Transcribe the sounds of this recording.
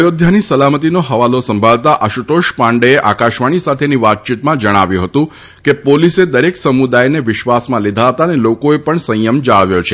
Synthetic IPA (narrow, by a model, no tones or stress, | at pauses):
jod̪ʱjanisəlamət̪inoɦəʋalosəmbʱalt̪aʔəʃut̪oʃpãɳɖeeʔakaʃʋaɽ̃isat̪ʰeniʋat̪̚t͡ʃit̪mãd͡ʒəɽ̃aʋjũɦət̪ũ | kepolised̪əɾeksəmud̪ajneʋɪʃʋasmãlid̪ʱaɦət̪anelokoepəɳsə̃jəmd͡ʒaɭʋjot͡ʃʰe